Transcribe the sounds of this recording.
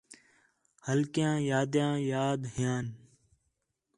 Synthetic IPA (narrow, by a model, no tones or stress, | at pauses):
həlkjãːjaːd̪jãːjaːd̪ɦɪjãːn